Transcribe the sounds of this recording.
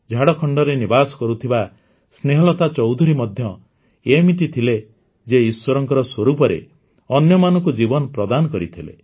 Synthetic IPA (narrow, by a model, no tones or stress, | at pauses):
d͡ʒʱaɽɔkʰɔɳɖɔɾenibasɔ̥kɔɾut̪ʰiba | sneɦɔlɔt̪at͡ʃɔwd̪ʱuɾimɔd̪ʱjɔ | emit̪it̪ʰile | d͡ʒeiswɔɾɔŋkɔɾɔswɔɾupɔɾḛ | ɔnjɔmanɔŋkud͡ʒibɔnɔpɾɔd̪anɔkɔɾit̪ʰilḛ